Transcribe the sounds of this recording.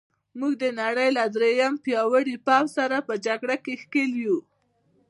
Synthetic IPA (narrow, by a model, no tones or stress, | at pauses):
muɡd̪ənaɽəjlad̪ɾejampjɑwəɽipɑwsaɾapəd͡ʒaɡɽakexkelju